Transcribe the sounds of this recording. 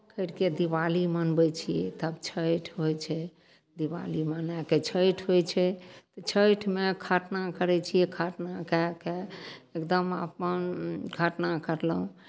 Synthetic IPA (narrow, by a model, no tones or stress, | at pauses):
kʰəɪʈked̪ibalimənbɛt͡ʃʰijɛt̪əbt͡ʃʰəjʈʰɦojt͡ʃʰɛ | d̪iba̰limənaket͡ʃʰəjʈʰɦojt͡ʃʰɛt̪ət͡ʃʰəjʈʰmekʰəʈnakəɾɛt͡ʃʰijɛkəʈ̪nakɛkeekd̪əmə̰pənɡʱəʈnakəɾləɦũ